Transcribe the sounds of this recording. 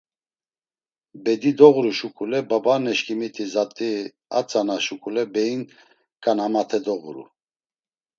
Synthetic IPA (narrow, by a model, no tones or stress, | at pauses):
bɛd̪id̪ɔɣɾuʃukʼulɛbabanɛʃkʰʼimit̪ʰʼizat̪ʼi | a̰t͡sʼanaʃukʼulɛbɛin | kʼanamat̪ʰɛd̪ɔɣuɾṵ